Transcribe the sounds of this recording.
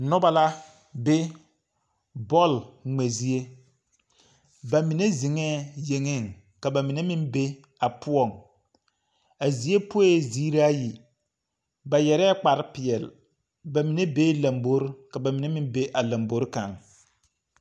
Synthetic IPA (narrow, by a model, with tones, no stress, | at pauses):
nʊ˦ba˦la˦ | be˦ | bɔ˦˨lŋ͡me˨zi˦e˦ | ba˨mi˨ne˦zi˨ŋɛː˦˨je˨ŋɪ˦˨ŋ | ka˨ba˨mɪ˨ne˦mɪ˦nbe˦ | a˨pʊ˦ɔ˦˨ŋ | a˨zi˨e˦po˦e˦ziː˦ɾaː˦ji˨ | ba˨jɛ˨ɾɛ˦k͡pa˨ɾɪ˦pɪ˨ɛ˨l | ba˨mi˨ne˦be˦la˨mbo˦ɾka˨ba˨mi˨ne˦mɪ˦mbe˦ʔa˨la˨mbo˦ɾka˨ŋ